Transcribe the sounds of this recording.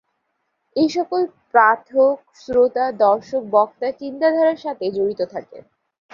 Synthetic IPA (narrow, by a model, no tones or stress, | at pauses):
ejʃɔkolpɾat̪ʰok̚sɾot̪ad̪ɔɾʃok̚bɔkt̪at͡ɕint̪ad̪ʱɔɾaɾʃat̪ʰed͡ʑoɽit̪ot̪ʰakḛ